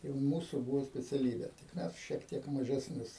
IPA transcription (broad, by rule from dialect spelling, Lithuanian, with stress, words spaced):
tɐɪ ˈmuːsʊ ˈbuːʋoː sʲpʲɛt͡sʲɛˈlʲiːbʲeː tʲɪk ˈmʲɛs ʃʲiɛk ˈtʲiɛk mɐʒʲɛsʲˈnʲʊs